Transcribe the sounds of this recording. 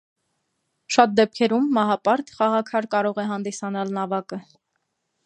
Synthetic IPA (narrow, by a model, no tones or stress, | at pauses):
ʃɑt̪̚d̪ɛp̚kʰɛɾumːɑɦɑpɑɾt̪χɑʁɑkʰɑɾkɑɾɔʁɛɦɑnd̪isɑnɑlnɑvɑkə